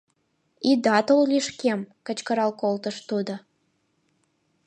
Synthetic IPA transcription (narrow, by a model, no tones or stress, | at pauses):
id̪ɑt̪ollʲiʃkemkə̆t͡ɕkə̆ɾɑlˠkolt̪əʃt̪ud̪ɤ̆